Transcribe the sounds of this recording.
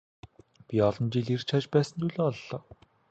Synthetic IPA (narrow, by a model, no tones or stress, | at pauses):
pʲiɔɮɞ̆nt͡ɕiɮirt͡ɕʰat͡ɕpæːsə̆nt̪uːɮoːɔɮːɔː